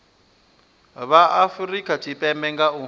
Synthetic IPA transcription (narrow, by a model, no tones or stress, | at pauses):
βaʔafurikʼatʰipʼɛmbɛŋɡau